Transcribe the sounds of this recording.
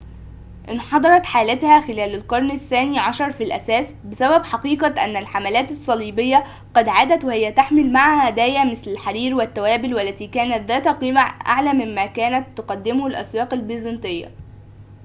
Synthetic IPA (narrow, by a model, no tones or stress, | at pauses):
ʔɪnħɑd̪ˤɑɾˤɑt̪ħaːlæt̪hæxɪlæːlælqɑɾˤnɪθːæːniːʕɑʃɑɾˤfilʔæ̰sæːsbɪsæbæbħɑqiːqɑʔæ̰nːælħamælæːt̪ɑsˤːɑliːbejːæ | ɡɑd̪ʕaːd̪æt̪wɪhɪjːæt̪aħmɪlmaʕhæd̪æːjæmɪθlælħaɾiːɾwɪt̪ːæwæːbɪlwælːæt̪iːkæːnæt̪ðæːt̪hæqiːmæʔa̰ʕlæmɪmːæːkæːnæt̪ːʊqɑd̪ːɪmhælʔæ̰swɑːqælbizent̪ejːæ̰